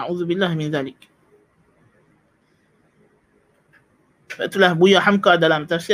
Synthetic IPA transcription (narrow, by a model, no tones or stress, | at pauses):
aʕuːðʊbɪlːaːhmɪnðaːlɪk | fa̰ʔt̪ulahbʊjaħamkaːd̪alaːmt̪aɾsi